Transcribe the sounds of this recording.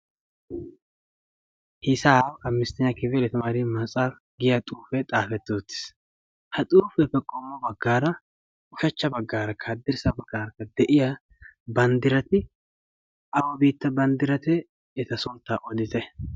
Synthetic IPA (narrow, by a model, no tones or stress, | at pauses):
hɪsaːwɐmːɪst̪ɪɲːɐkɪvɛlɛt̪ɐmaːɾɪmɐsʼɐɾ | ɡɪjɐt̪ʼuːfɛt̪ʼaːfɛt̪ːoːt̪ːɪ̥s | hɐt̪ʼuːfɛfɛkʼːɔmːɔbɐɡːaːɾɐ | ʔʊʃɐt͡ʃːɐbɐɡːaːɾɐkːɐɐd̪ːɪɾsɐbɐɡːaːɾɐkːɐd̪ɛʔɪjɐ | bɐnd̪ɪɾɐt̪ɪ | ɐwɔbiːt̪ːɐbɐnd̪ɪɾɐt̪ɛ | ɛt̪ɐsɔlt̪ːaʔɔd̪ɪt̪ɛ